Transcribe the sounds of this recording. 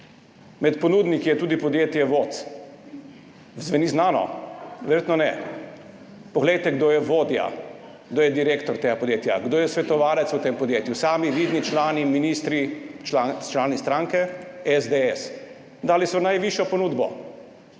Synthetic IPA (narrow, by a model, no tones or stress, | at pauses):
mɛt̪pɔnuːd̪nikijɛt̪uːd̪ipɔd̪jeːt̪jɛʋot̪s | zʋɛniznaːnɔ̰ʋɛɾjeːt̪nɔnɛ | pɔɡlɛjt̪ɛɡd̪oːjɛʋoːd̪ja̰ | ɡd̪oːjɛd̪iɾeːkt̪ɔɾt̪eːɡapɔd̪jeːt̪jaɡd̪oːjɛsʋɛt̪ɔʋaːlɛsut̪eːmpɔd̪jeːt̪jusaːmiʋid̪nit͡ʃlaːniminist̪ɾit͡ʃlat͡ʃlaːnist̪ɾaŋkɛɛzd̪eɛs | d̪aːlisɔnajʋiʃjɔpɔnuːd̪bɔ̰